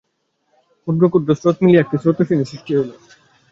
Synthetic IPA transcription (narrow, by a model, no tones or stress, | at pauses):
uɾɡokuɾd̪osɾot̪miliɛk̚ʈisɾot̪oʃinesiʃʈiɦolo